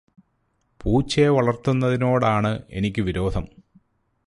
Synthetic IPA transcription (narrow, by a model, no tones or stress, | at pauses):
puːt͡ɕːeʋɐɭɐrt̪ːunːɐðino̞ːɽaːɳɨenikʲːɨʋiɾo̞ːd̪ʱɐm